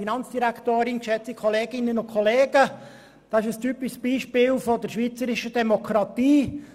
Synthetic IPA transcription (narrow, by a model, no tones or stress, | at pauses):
inɑnt͡sd̥iɾækt̪oːɾɪnkʃɛt͡sikʰχɔleːɡɪnːənʊnkʰχoleːɡə | d̥ɑːɪʃəstypɪʃsb̥iːʃpɪːlfod̪əɾʃʋiːt͡səɾɪʃədɛmokʰɾɑt̪iː